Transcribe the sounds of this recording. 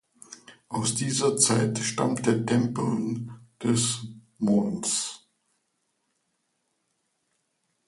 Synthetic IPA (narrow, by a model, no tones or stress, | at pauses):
ʔaʊsd̥iːzɐt͡saɪtʃta̰mtd̥eːɐtʰɛmpl̩d̥ɛs | moːns